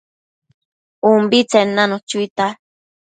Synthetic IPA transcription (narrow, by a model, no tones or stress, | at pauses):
umbit͡senanot͡ʃuit̪a